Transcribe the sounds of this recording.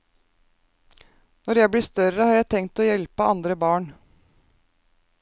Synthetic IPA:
nɔɾjæɪbliːst̪œɾəhɑːɾjæɪt̪ʰɛŋt̪oːjɛlpəɑnd̪ɾəbɑːɳ

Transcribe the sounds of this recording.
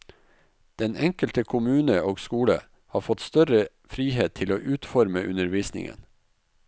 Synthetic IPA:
d̪̥ɛnɛŋkəlt̪əkʰʊmʉːnəoːɡskuːlə | hɑːɾfɔt̪st̪œɾə | fɾiːheːt̪ʰːɪloːʔʉːt̪fɔɾməʔʉnəɾʋiːsnɪ̰ŋə̰n

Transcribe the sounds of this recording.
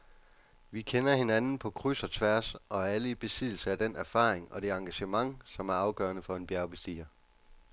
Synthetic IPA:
ʋikʰenɐhe̝nænn̩pʰɒ̽kʰʁysɐt͡sʰʋæɐsɒ̽æləib̥e̝sið̰ˠl̩sɐæd̥en̰ʔæɐfɑ̰̈ːeŋɒ̽d̥e̝ɑ̈ŋɡ̥æɕəmɑ̈ŋsɒ̽mæɐɑ̈ʊɡ̥ɶ̰ːɐnəfɒ̽e̝nb̥jæɐb̥esd̥ḭːɐ

